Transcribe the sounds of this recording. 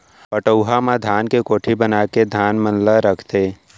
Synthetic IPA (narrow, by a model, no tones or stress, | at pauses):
pəʈəʊɦamãd̪ʱaːnkekoːʈʰibənaːked̪ʱaːnmənlaɾəkʰt̪eː